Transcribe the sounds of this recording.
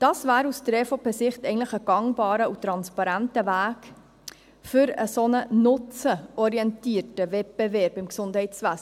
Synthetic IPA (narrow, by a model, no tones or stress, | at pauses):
d̥ɑːsvæːɾustɾɛːfopɛsɪχtɛɪən̩tləχəɡ̥ɑŋbɑːɾəutɾɑnspɑɾæntəvæːk | fʏɾəsonənʊt͡səɔɾiɛntiːətəvɛp̚b̥evɛɾbɪmksʊndhɛɪtsʋæs